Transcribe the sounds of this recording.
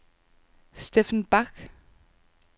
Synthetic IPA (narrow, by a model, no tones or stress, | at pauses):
sd̥efnb̥aɡ̥